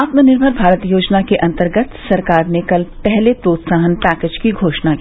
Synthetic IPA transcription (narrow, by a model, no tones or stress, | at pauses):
aːt̪mənɪɾbʱəɾbʱaːɾət̪joːd͡ʒnakeʔɐ̃nt̪əɾɡət̪sɐɾkaːɾnekəlpɛɦlepɾoːt̪saːɦənpæːkeːd͡ʒkiɡʱoːʃna